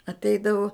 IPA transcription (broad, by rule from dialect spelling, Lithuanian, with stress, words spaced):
ɐtʲˈɛɪdɐʋʊ